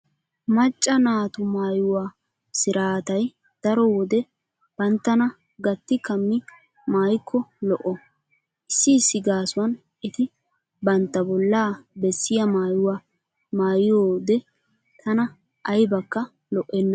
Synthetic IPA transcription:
mɐt͡ʃʼːɐnaːt̪ʊmaːjʊwaː | sɪɾaːt̪ɐj | d̪̥ɐɾɔwɔd̪ɛ | b̥ɐnt̪ːɐnɐ | ɡɐt̪ːɪkɐmːɪ | maːjkʰːɔlɔʔɔ | ʔɪsːɪːsːɪɡaːsʊwɐn | ʔɛt̪ɪ | bɐnt̪ːɐbɔlːaːbɛsːɪjɐmaːjʊwaː | maːjɪjoːd̪ɛ | t̪ʰɐnɐ | ʔɐjbɐkːɐ | lɔʔːɛnːɐ

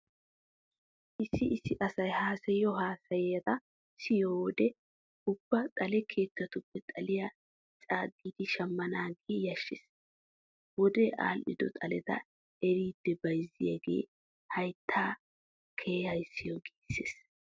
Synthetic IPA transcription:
ʔɪsːɪʔɪsːɪʔɐsɐjhaːsɛjɔɦaːsɐjɛɐt̪ɐ | sɪjoːwɔd̪ɛ | ʊb̥ːɐt̪ʼɐlɛkʰe̞ːt̪ːɐt̪ʊpːɛt̪ʼɐlɪjɐ | t͡ʃʼaːɡːiːd̪ɪʃɐmːɐnaːɡeːjɐʃːɪs | wɔd̪ɛʔa̰ːlʔɪ̰d̪ɔ̰t̪ʼɐlɛt̪ɐ̰ | ɛɾiːd̪̥ːɛbɐjzɪjɐɡḛː | hɐjt̪ʰːaː | kʰeːhɐjsːɪjɔɡiːsːeːs

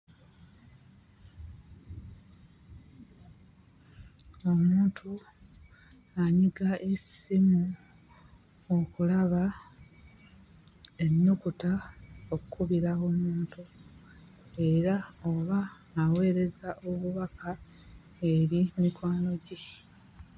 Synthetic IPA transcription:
o̞muːntʰu | aɲiɡaʔe̞simu | o̞kulaβa | e̞nːukutao̞kukuβiɾao̞muːntu | e̞ɾao̞βaːwe̞ːɾe̞zaʔo̞βuβakʰa | e̞ɾimikwaːno̞ɟe

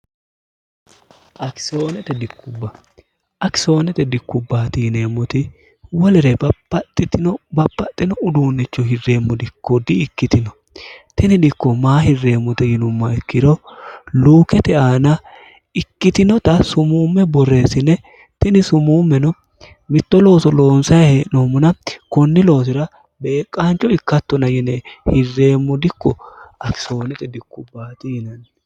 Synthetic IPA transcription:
ʔɐksoːnɛt̪ɛd̪ɪkʰːʊbːɐ | ʔɐkɪ̥so̞ːnɛt̪ɛd̪ɪkːʊbːaːt̪iːne̞ːmːɔt̪ɪ | wɔlɛɾɛbɐpːɐt̪ʼːɪt̪ɪnɔbɐpːɐt̪ʼːɪnɔʊd̪uːnːɛt͡ʃːɔɦɪrːe̞ːmːɔd̪ɪkːɔd̪ɪːkːɪt̪ɪnɔ | t̪ɛnɪd̪ɪkːɔmaːɦɪrːe̞ːmːɔt̪ɛjɪnʊmːɐɪkːɪɾɔluːkɛt̪ɛaːnɐ | ɪkːɪt̪ɪnɔt̪ɐsʊmuːmːɛbɔre̞ːsɪnɛ | t̪ɪnɪsʊmuːmːɛnɔ | mɪt̪ːɔlo̞ːsɔlo̞ːnsɐjhenomʊnɐkɔnːɪlo̞ːs̬ɪɾɐ | be̞ːkʼːaːnt͡ʃːɔɪkːɐt̪ːɔnɐjɪnɛhɪrːe̞ːmːɔd̪ɪkːɔɐkɪ̥so̞ːnɛt̪ɛd̪ɪkːʊbaːt̪ɪjɪnɐn

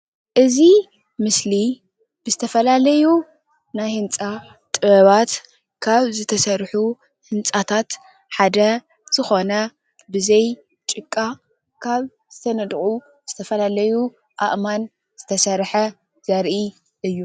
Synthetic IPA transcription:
ʔɨzi | mɨsli | b̥ɨzɨt̪ʰɐfɐlalɐju | najhɨnt͡sʼa | t̪ʼɨβɐβat̪ | kʰaβzɨt̪ʰɐsɐɾħu | hɨnt͡sʼat̪ʰat̪ | ħad̪ɐ | z̥ɨxo̞nɐ | bɨzɐj | t͡ʃʼɨkʼːa | kʰaβ | z̥ɨt̪ʰɐnɐd̪χʼu | z̥ɨt̪ʰɐfɐlalɐju | ʔa̰ʔman | z̥ɨt̪ʰɐsɐɾħɐ | z̥ɐɾʔi | ʔɨjːu

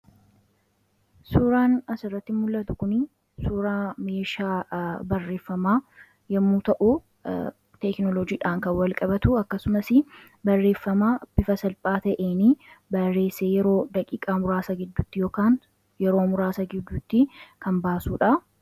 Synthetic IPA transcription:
suːɾaːnɐsɪrːɐt̪ːɪmʊlʔɐt̪ʊkʊnɪ | suːɾaːme̞ːʃaːbɐrːe̞ːfːɐmaː | jɐmːuːt̪ɐʔu | t̪ɛknɔlɔd͡ʒiːᶑaːŋkɐnwɐlkʼɐbɐt̪ʊɐkːɐsʊmɐsɪ | bɐrːe̞ːfːɐmaːb̥ɪfɐsɐlpʼaːt̪ɐʔeːnibɐrːe̞ːsːeːjɛɾo̞ːd̪ɐkʼiːkʼaːmʊɾaːsɐɡɪd̪ːʊt̪ːɪjo̞ːkaːŋ | jɛɾo̞ːmʊɾaːsɐɡɪd̪ːʊt̪ːɪkɐmbaːsuːᶑɐ

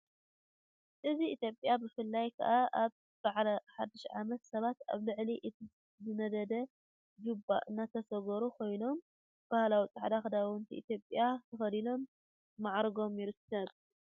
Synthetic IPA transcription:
ʔɨziʔit̪jo̞pʼjabɨfɨlːajkʰɐ̰ʔaʔaβ | b̥aʕlɐħad̪ːiʃʕamɐt̪sɐβat̪a̰βlɨʕliʔɨt̪ʰi | zɨnɐd̪ɐd̪ɐ | ɡubːa̰ʔɨnːat̪ʰɐsɐɡɐɾukʰo̞jno̞m | b̥ahlawit͡sʼɐħd̪axɨd̪ant̪ʰiʔḭt̪jo̞pʼjat̪ʰɐxɐlilo̞mː | aʕɾɡo̞mjɪɾɨsʰɐβ

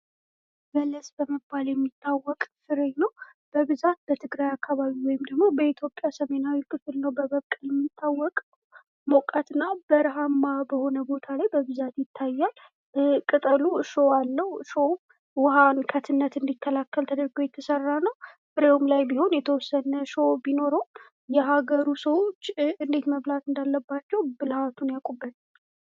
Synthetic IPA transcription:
bələsbəməbːaljɛmːit̪ʰːawːɔkʼfɨɾeɲnəwb̥əβɨzat̪̚b̥ət̪ʰɨɡɾajakːaβaβiwɔjɪmd̪əɡmo̞bəit̪ʰjo̞pʼːjasəme̞nawikʰɨfɨlnəwbəβəβkʼjɛmːit̪ʰːawːɔkʼ | mokʼat̪ɨnːabəɾɦamːabəho̞nəbo̞t̪ʰalajbəβɨzat̪jɪt̪ʰːajːal | kʼɨt̪ʼəluʃoalːəwʃom | wʊhankʰət̪ʰɨnːət̪ɨnd̪ikʰːəlakːəlt̪ʰəd̪əɾɡojɛt̪ʰːəsərːanəw | ʔɨɾeomlajbiho̞njɛt̪ʰəwɔsːənəʃobino̞ɾom | jɛɦaɡəɾusəwot͡ʃːɨnd̪e̞t̪məβlat̪ɨnd̪alːəbːat͡ʃːɛwbɨlhat̪ʰunjakʼubːən

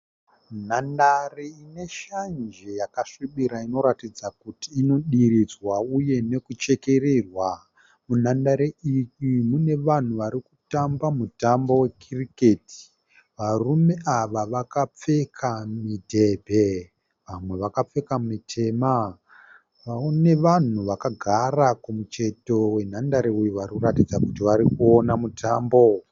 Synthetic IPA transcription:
nandareine̞ʃand͡ʒe̞jakaʂiɓiɾaino̞ɾatid͡zakutiːno̞ɗiɾid͡zwauje̞ne̞kut͡ʃe̞ke̞ɾerwa | munandaɾeijimune̞ʋan̤uʋaɾikutambamutambowe̞kʰirikeːti̥ | ʋarume̞ʔaʋaʋakap͡fe̞kʰamidʱe̞bʱe̞ | ʋamwe̞ʋakap͡fe̞kamitʰe̞ːma | ʋaone̞ʋan̤uʋakaɡʱarakumut͡ʃe̞to̞we̞n̤andaɾeujiʋarikuratid͡zakutiʋaɾikuonamutʰaːmbo̞

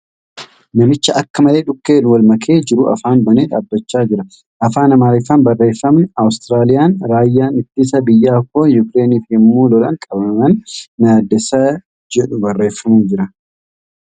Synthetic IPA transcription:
nɐmɪt͡ʃːɐʔɐkːɐmɐle̞ːᶑʊkːe̞ːnʊwɐlmɐkʰe̞ːd͡ʒɪɾʊʔɐ̰faːnbɐneːᶑaːbːɐt͡ʃːaːd͡ʒɪɾɐ | ʔɐfaːnɐmaːɾɪfɐnbɐrːe̞ːfːɐmnɪɐwst̪ɪɾaːlɪjaːnɾaːjːaːnɪt̪ːisɐbɪjːaːkːoːjʊkɾe̞ːniːfhɪmːuːlɔlɐ̰ŋkʼɐbɐmɐmɐnːaːd̪ɛsɐ | d͡ʒɛᶑʊbɐrːe̞ːfːɐmuːd͡ʒɪɾɐ

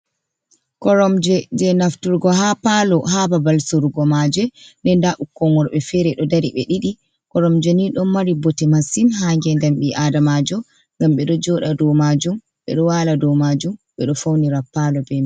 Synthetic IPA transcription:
kɔɾɔmd͡ʒɛd͡ʒɛnaftuɾɡɔɦapalɔɦababalsoɾuɡɔmad͡ʒɛndɛndaʔukːɔŋɡɔɾɓɛfɛɾɛɗɔdaɾiɓɛ̰ɗiɗi | kɔɾɔmd͡ʒɛniɗɔmaɾibɔtɛmasinɦaŋɡɛndamɓiʔadamad͡ʒɔ | ŋɡamɓɛɗɔd͡ʒɔɗadɔmad͡ʒum | ɓɛ̰ɗɔwaladɔmad͡ʒumɓɛɗɔfawniɾapːalɔbɛn

